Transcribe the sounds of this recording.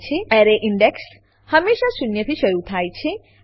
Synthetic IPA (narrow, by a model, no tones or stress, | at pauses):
t͡ʃʰeaɾeʔɪɳɖeks | həmːeʃasunjət̪ʰiʃəɾut̪ʰajt͡ʃʰe